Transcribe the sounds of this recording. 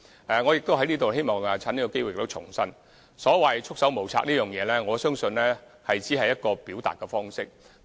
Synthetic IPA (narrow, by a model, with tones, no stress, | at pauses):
ɛ˨ŋɔ˨˧jɪ˨k̚t̪o˥wɦɐ˥jniː˥t̪o˨whe˥jmɔː˨˩ŋa˨˧t͡sʰaː˨˥niː˥kɔ˧ke˥jwɪ˨k̚t̪o˥wt͡ʃʰʊ̰˨˩ŋsɐ˥n | sɔː˨˥wɐ˨jt͡ʃʰʊ˥k̚sɐ˨˥wmo˨wt͡sʰa̰ː˧k̚niː˥jœː˨˩ŋjɛː˨˧lɛː˥ŋɔː˨˧sœː˥ŋsɵ˧nlɛː˥ | hɐ˨jt͡siː˨˥ɦɐ˨jːɐ˥t̚kɔː˧piː˨˥wt̪a̰ː˨t̚kːɛ˧fɔː˥ŋsɪ˥k̚